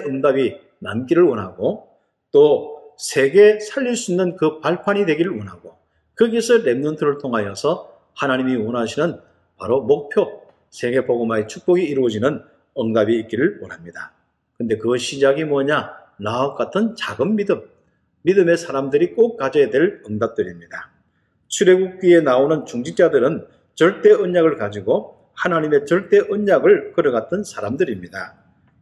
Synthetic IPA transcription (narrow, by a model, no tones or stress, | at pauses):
ʌŋdabi | namk͈iɾɯɭwʌnɦaɡo | t͈osʰe̞ɡe̞sʰaʎːiɭs͈uinːɯnkɯpaɭpʰaɲidwe̞ɡiɾɯɭwʌnɦaɡo | kɯɡisʰɯɾe̞mnontʰɯɾɯɭtʰoŋɦajʌsʰʌ | hanaɲimiwʌnɦaɕʰinɯn | pa̰ɾomok̚pʰjo | sʰe̞ɡe̞poɡɯmɦaet͡ɕʰuk̚p͈ʌɡiːɾuʌd͡ʑinɯn | ʌŋdabiːk̚k͈iɾɯɭwʌnɦamɲida | kɯnde̞kɯɕʰid͡ʑaɡimwʌɲa | naʌp̚k͈atʰɯnt͡ɕaɡɯnːidɯmː | idɯme̞sʰaɾamdɯɾik͈ok̚k͈ːad͡ʑedwe̞ɭʌŋdap̚t͈ɯɾimɲid̥a | t͡ɕʰuɾe̞ɡuk̚k͈ɥienaonɯnt͡ɕuŋd͡ʑint͡ɕ͈adɯɾɯn | t͡ɕʌɭt͈e̞ʔɯɲːaɡɯɭkad͡ʑiɡo | hanaɲime̞t͡ɕʌɭt͈e̞ʔɯɲɲaɡɯɭkɯɾʌɡat͈ʰɯnsʰaɾamdɯɾimɲida